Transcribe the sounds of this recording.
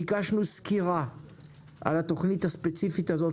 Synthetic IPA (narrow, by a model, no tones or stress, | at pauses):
iɡaʃnuskiʁa | ʔa̰lat̪oχnithaspet͡sifit̪azo